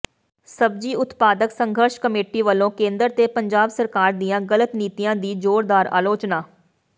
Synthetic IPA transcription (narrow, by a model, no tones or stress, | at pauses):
səbd͡ʒiːʔʊt̪paːd̪əksəŋɡʱəɾʃkəmeːʈiːʋəlːõːkẽːnd̪əɾt̪eːpəɲd͡ʒaːbsəɾkaːɾd̪ijãːɡələt̪niːt̪ijãːd̪iːd͡ʒoːɾd̪aːɾa̰ːloːt͡ʃnaː